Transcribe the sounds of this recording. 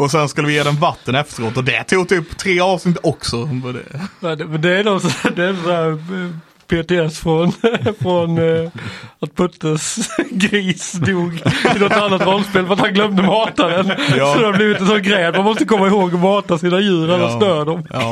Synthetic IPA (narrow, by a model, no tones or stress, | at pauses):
ɔsɛnskɵʉləʋɪjeːd̪ɛnvat̪ːənɛft̪əɾoːt̪ɔd̪ɛt̪ʰuːɡ̚t̪ʰyːpːt̪ʰːɾeːɑːvsnɪt̪ɔksɔmd̪ɛ̰ɛmɛnd̪ɛæɾd̪ɔsd̪ɛɛnd̪sɔhæːɾ | pʰeːt̪ɪɛsfɾɔnfɾɔn | at̪̚pʰɵt̪ːəsɡɾiːsd̪uːɡɪnɔt̪anːat̪ɾɔlːspeːlfəɾat̪hanɡlœmd̪əmɑːt̪ad̪ɛnsɔd̪adbliːvɪt̪ɛnsɔnɡɾɛːat̪manmɔst̪əkʰɔmːaɪhoːɡɔmɑːt̪asiːnajʉ̟ːɾalːasnøːd̪ɔm